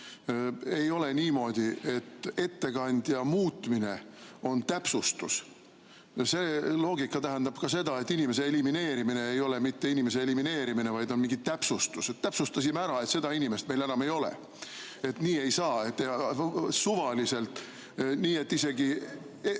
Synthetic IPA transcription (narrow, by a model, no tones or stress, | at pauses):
e̞jo̞le̞niːmo̞ːd̪̥ʲie̞t̪ːe̞t̪ːe̞kɑnʲd̪̥jɑmuːt̪ːˑmine̞o̞nt̪æpsust̪us | selo̞ːɡikːˑɑt̪æɦænd̪ɑb̥kɑse̞d̪ɑe̞t̪ːinʲime̞s̬e̞elimine̞ːɾimine̞ejo̞le̞mit̪ːe̞inʲime̞se̞elimine̞ːɾimine̞vɑjd̪̥o̞nmiŋɡit̪æpsust̪uset̪t̪ːæpsust̪ɑs̬imæɾɑe̞t̪se̞d̪̥ɑinʲime̞st̪melenɑme̞jo̞lḛ | e̞t̪niːe̞jsɑːet̪ː | suvɑlise̞lt̪ˑ | niːe̞t̪ːise̞ɡi